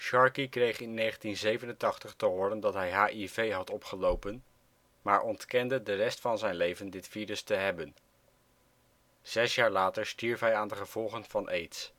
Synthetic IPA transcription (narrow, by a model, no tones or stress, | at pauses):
ʃɑɹkikrejχɪnːejχəntinzejvənəntɑχtəχtəɦʊːɾəndɑtɦɛjɦaːʔivejɦɑtɔpχəlowpən | maːɹʔɔntkɛndədərɛstfɑnzɛjnlejvəndɪtfiːɾəstəɦɛbən | z̥ɛsjaːɹlaːtəɹstiɹfɦɛjaːndəχəv̥ɔlˠχənv̥ɑnʔejts